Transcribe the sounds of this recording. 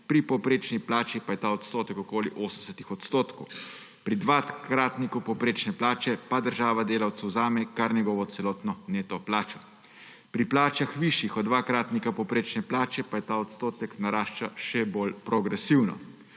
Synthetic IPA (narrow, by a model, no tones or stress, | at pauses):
pɾipɔwpɾeːt͡ʃniplaːt͡ʃipajɛt̪aɔt̪st̪oːt̪ɛkɔkoːliʔoːsəmsɛt̪ixɔt̪st̪oːt̪kɔw | pɾid̪ʋakɾaːt̪nikupɔpɾeːt͡ʃnɛplaːt͡ʃɛpad̪əɾʒaːʋad̪eːlawt̪sɛwzaːmɛkaɾnjɛɡɔːʋɔt̪sɛlɔːt̪nɔneːt̪ɔplaːt͡ʃɔ̥ | pɾiplaːt͡ʃaxʋiʃjixɔd̪d̪ːʋaːkɾaːt̪nikapɔpɾeːt͡ʃnɛplaːt͡ʃɛpajɛt̪aːɔt̪st̪oːt̪ɛknaɾaːʃt͡ʃaʃɛbolpɾɔɡɾɛsiwnɔ̰